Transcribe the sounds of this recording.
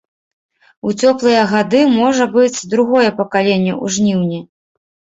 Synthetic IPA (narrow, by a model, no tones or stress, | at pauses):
ut͡sʲɔplˠɨjɐɣad̪ɨmɔʐɐbɨt͡sʲd̪ɾuɣɔjɛpɐkalʲenʲːɐʔṵʐnʲiwnʲi